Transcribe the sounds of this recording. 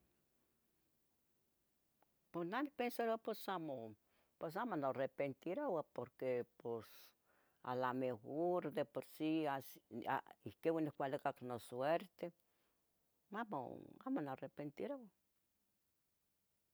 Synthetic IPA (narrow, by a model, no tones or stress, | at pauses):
ponanik̚pensaɾapesamo | pes̬amonorepent̪iɾowapoɾkepos | a̰lamehoɾd̪epoɾsiasa̰ihkewanihkʷalikaknosweɾt̪e | amo̰a̰monarepent̪iɾowa